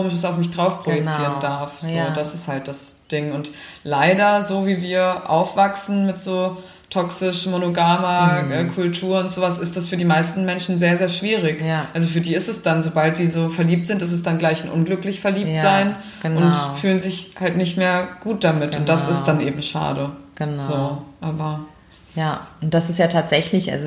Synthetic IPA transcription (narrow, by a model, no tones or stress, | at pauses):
oːmɪʃəsaʊfmɪçd̥ʁaʊfpʁ̥ojɛt͡siːʁəndaɐfz̥oːd̥asɪsthalt̚d̥asd̥ɪŋʊntlaɪdɐzoːviːviːɐʔa̰ʊfv̥aksn̩mɪtz̥oː | tʰɔksɪʃmonoɡaːmaʔɛkʰʊltʰuːɐʊntz̥oːvasɪstd̥asfyːɐdiːmaɪstn̩mɛnʃn̩zeːɐzeːɐʃv̥iːʁ̞ɪkʔalzofyːɐdiːɪstɛsd̥anzobalt̚d̥iːzoːfɛɐliːp̚tz̥ɪntɪstɛsd̥anɡlaɪçnʔʊ̰nɡlʏklɪçfɛɐliːp̚tz̥aɪn | ɡ̥ʊntfyːlənzɪçhaltnɪçtmeːɐɡ̥uːt̚d̥amɪtʊnt̚d̥asɪstd̥anʔḛːbm̩ʃa̰ːdəɡ̥zoːʔaːbɐ | jaʊnt̚d̥asɪstjaːtʰaːtz̥ɛçlɪçʔa̰lzo